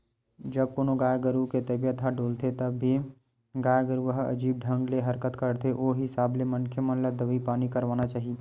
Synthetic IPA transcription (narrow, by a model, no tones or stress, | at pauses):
d͡ʒɐb̚koːnoɡaːjaɡəɾuket̪əbjət̪ɦaɖoːlt̪et̪ɐbːi | ɡaːjaɡəɾuʋəɦɐ̰d͡ʒiːb̚ɖʱə̃ŋɡleɦɐɾkət̪kəɾt̪eʔoɦisaːblemɐnkʰjəmə̃nləd̪əʋipaːnikɐɾʋaːnat͡ʃaːɦie